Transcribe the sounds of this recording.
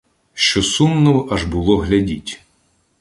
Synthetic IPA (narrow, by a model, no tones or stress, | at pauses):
ʃt͡ʃɔsumnɔwɐʒbʊlˠɔɦlʲɐdʲitʲ